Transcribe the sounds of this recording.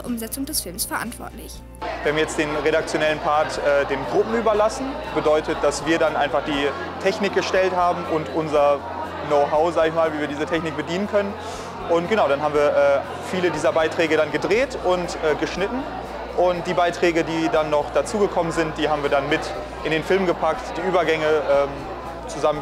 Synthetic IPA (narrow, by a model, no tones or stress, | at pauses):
ʔʊmzɛt͡sʊŋdɛsfɪlmsfɛɐʔa̰ntv̥ɔ̰ɐtlɪ̰ç | viːɐhamjɛt͡std̥eːnʁeɾak̚t͡sjonɛlənpʰaɐtʔɛːdeːnɡʁʊpm̩yːbɐlasn̩b̥ədɔʏtət̚d̥asv̥iːɐdanʔaɪnfaχd̥iː | tʰɛçnɪk̚ɡ̥əʃtɛlthaːbm̩ʔʊntʔʊnzɐ | noʊɦaʊzaːɡəɪçmaːlviːviːɐdiːzətʰɛçnɪk̚b̥ədiːnənkʰœnən | ʔʊnt̚ɡ̥ənaʊɾanɦaːbm̩viːɐʔɛː | fiːlədiːzɐbaɪtʁ̥ɛːɡədanɡədʁeːtʊntʔɛːɡəʃnɪtn̩ | ʔʊntd̥iːbaɪtʁ̥ɛːɡədiːdanːɔχd̥at͡suːɡəkʰɔmənzɪnt̚d̥iːhaːbm̩viːɐɾanmɪt | ʔɪndeːnfɪlmɡəpʰak̚td̥iːʔyːbɐɡɛŋəʔɛːm | t͡suzam